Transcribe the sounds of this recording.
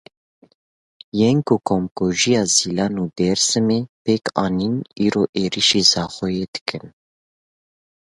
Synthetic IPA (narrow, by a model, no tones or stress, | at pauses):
jɛŋkukʰomkoːʒijɑːziːlɑːnuːd̪ɛɾsɨmepekɑːniːniːɾoːʔeːɾiʃiːzɑːxɔjeːd̪ɨ̥kʰɨn